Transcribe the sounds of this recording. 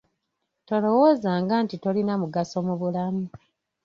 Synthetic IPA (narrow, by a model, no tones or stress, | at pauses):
to̞lo̞wo̞ːzaːŋɡaːntito̞linamuɡaso̞muβulamu